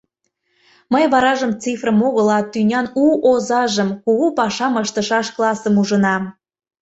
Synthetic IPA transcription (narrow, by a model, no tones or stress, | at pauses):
məjβɑɾɑʒəmt͡sifrəmoɣəlɑt̪ynʲɑnuʔozɑʒəmkuɣupɑʃɑməʃt̪əʃɑʃklɑsəmuʒənɑm